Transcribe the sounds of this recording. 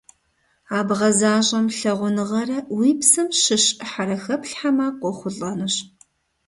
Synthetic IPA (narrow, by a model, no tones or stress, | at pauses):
aːbʁɐzaːʑʼɐmɬɐʁʷʊnɨʁɐrɐwiːpsɨmʃɨɕʼħaɾɐxɐpɬħamaːqʷɔχʷʊɮʼɐnɨɕ